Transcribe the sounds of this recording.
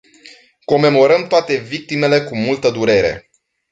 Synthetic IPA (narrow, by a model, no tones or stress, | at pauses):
ko̞me̞mo̞ɾəmt̪oat̪e̞vik̚t̪ime̞le̞kumult̪əd̪uɾe̞ɾe̞̰